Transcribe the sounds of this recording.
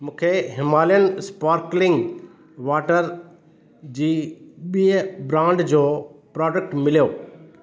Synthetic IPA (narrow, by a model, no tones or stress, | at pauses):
mũːkʰeɦɪmaːlijənspaːɾklɪ̃ŋɡ | ʋaːʈəɾ | d͡ʑiːɓiːbɾãːɳɖd͡ʑoːpɾɔːɖək̚ʈmɪlijoː